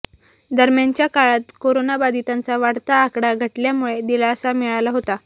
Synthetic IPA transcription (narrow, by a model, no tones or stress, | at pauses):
d̪əɾmjant͡ɕjakaɭat̪koɾonabad̪it̪ãnt͡saʋaɽt̪aːkɽaɡʱəʈljamuɭed̪ilaəsamiɭalaɦot̪a